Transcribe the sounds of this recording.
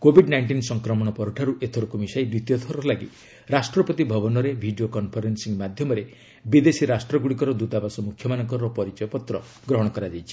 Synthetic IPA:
kobʱiɖnajɳʈinsɔŋkɾɔmɔɽ̃ɔpɔɾuʈʰaɾuʔet̪ʰɔɾukumisajd̪it̪ijɔt̪ʰɔɾɔlaɡḭ | ɾasʈɾɔpɔt̪ibʱɔbɔnɔɾebʱiɖiokɔnpʰɔɾensiŋmad̪ʱjɔmɔɾe | bid̪esiɾasʈɾɔɡuɽikɔɾɔd̪ut̪abasɔmukʰjɔmanɔŋkɔɾɔpɔɾit͡ʃɔjɔpɔt̪ɾɔ̰ | ɡɾɔɦɔɽ̃ɔkɔɾad͡ʒajt͡ʃʰi̥

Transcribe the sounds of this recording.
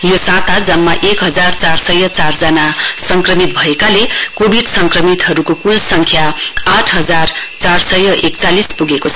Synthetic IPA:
josat̪ad͡zʌmːaʔekɦʌd͡zart͡sarsʌjʌt͡sard͡zʌnasʌŋkrʌmit̪̚bʱʌekalekobʱiɖsʌŋkrʌmit̪ɦʌɾukokulsʌŋkʰjaaʈʰɦʌd͡zart͡sarsʌjʌʔekt͡salispuɡekot͡sʰʌ

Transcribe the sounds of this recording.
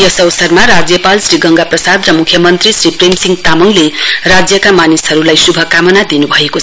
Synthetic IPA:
jʌsʌwsʌrmaɾad͡zjʌpalsriɡʌŋɡaprʌsad̪rʌmukʰːjʌmʌnt̪risripremsiŋɡt̪amʌŋlerad͡zjʌkamanisʌɾulajsubʱʌkamʌnad̪inubʱʌeko

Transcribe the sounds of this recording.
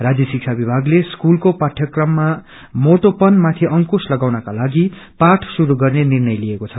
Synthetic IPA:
rad͡zjʌsik̚t͡sʰabibʱaɡleskulkopaʈʰjʌkrʌmːa | moʈ̪opʌnmat̪ʰiʔʌŋkuslʌɡawnʌkalaɡipaʈʰsuɾuɡʌrnenirnʌjlijekot͡sʰʌ

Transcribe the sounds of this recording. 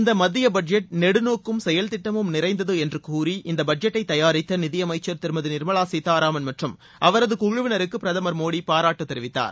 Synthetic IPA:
ɪnd̪ɐmɐðɪjɐbɐd͡ʒɐʈ̚nɛɽɯnoːkːɯmsɛjɐlt̪ɪʈːɐmɯmnɪɾɐɪnd̪ɐðɯɛndrɯkuːɾiʔɪnd̪ɐbɐd͡ʒɐʈːɐɪt̪ːɐjaːɾɪt̪ːɐnɪðɪjɐmɐɪt͡ʃːɐɾt̪ɪɾɯmɐðɯnɪɾmɐɭaːsit̪ːaːɾaːmɐnmɐʈrɯm | ʔɐʋɐɾɐðɯkʊɣɯʋɪnɐɾɯkːɯpɪɾɐðɐmɐɾmoːɽipaːɾaːʈːɯt̪ːɛɾɯʋɪt̪ːa̰ːɾ

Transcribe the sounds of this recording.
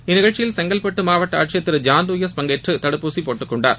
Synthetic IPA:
ɪnɪɣɐɭt͡ʃːɪjɪlsɛŋɡɐlpɐʈːɯmaːʋɐʈːɐa̰ːʈ̚t͡ʃɪjɐt̪ːɪɾɯd͡ʒaːnd̪uːjɐsbɐŋɡeːʈrɯt̪ɐɽɯpːuːsipoːʈːɯkːɔɳɖa̰ːɾ

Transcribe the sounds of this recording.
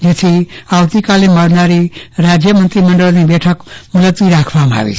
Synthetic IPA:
d͡ʒet̪ʰiawt̪ikaleməɾnaɾiɾad͡zjəmənt̪ɾiməɳɖəlnibeʈʰəkmulət̪ʋiɾakʰbamʱa̰ʋḭ

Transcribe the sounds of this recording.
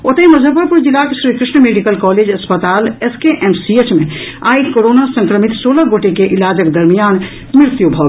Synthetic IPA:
ot̪əimɐzʱəpəɾpuɾd͡ʒɪlakeʃɾiːkɾɪʃɳəmeːɖikəlkɔːleːd͡ʒɐspət̪aːleskeʔɛmsiet͡ʃmẽ | aːikoɾoːnasə̃ŋkɾəmit̪soːləɡoːʈekeʔɪlaːd͡ʒəkd̪ɐɾmijaːn | mɪɾt̪jubʱɔː

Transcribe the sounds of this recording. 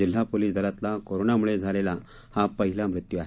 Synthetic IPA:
il̤apoliːsd̪ʱəɾat̪lakoɾonamuɭed͡zʱalela | hapəɦilamɾut̪juaɦe

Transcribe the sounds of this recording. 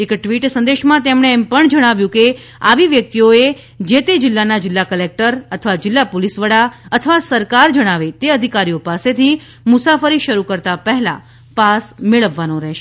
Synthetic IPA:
ekʈʋiʈsə̃nd̪eʃmãt̪emɳ̃eːmpəɳd͡ʒəɽ̃aʋjũke | a̰ʋiʋjək̚t̪ioe | d͡ʒet̪ed͡ʒɪlːanad͡ʒɪlːakəlek̚ʈəɾət̪ʰəʋad͡ʒɪlːapolisʋəɽaət̪ʰəʋasəɾkaɾd͡ʒəɽ̃aʋet̪eəd̪ʱikaɾijopaset̪ʰi | mʊsafəɾiʃəɾukəɾt̪apəɦlã̰ | pasmeɭəʋːanõɾɛɦʃe

